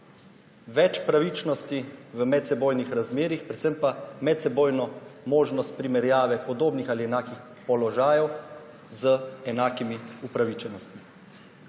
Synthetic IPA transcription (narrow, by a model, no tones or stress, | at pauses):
ʋɛt͡ʃpɾaʋit͡ʃnɔst̪iʋəmɛt̪sɛboːjnixɾazmeːɾixpɾɛt̪səmpamɛt̪sɛboːjnɔmoːʒnɔst̪̚pɾimɛɾjaːʋɛpɔd̪oːbnixaliɛnaːkix | pɔlɔʒaːjɛw | zəɛnaːkimiupɾaʋit͡ʃɛnɔst̪mi